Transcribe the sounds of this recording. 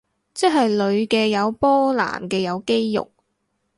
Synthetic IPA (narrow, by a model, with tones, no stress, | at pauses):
t͡sɛ˥ɦɐ˨jlɵ˨˧ɥkɛː˧jɐ˨˧wpɔː˥la̰ː˨˩mkɛː˧jɐ˨˧wke˥jːʊ̰˨k̚